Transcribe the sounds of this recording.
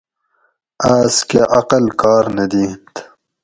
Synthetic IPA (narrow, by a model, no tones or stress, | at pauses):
aːskeʔɐqəlkɑːɾned̪iːnt̪